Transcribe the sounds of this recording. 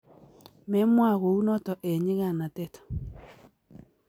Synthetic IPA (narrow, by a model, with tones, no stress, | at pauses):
mɛ˦mwa˦˨ɣo˨u˦nɔ˦tɔ˨ʔɛ˨ɲi˦ɣa˨na˨tɛ˦tɔ̥˨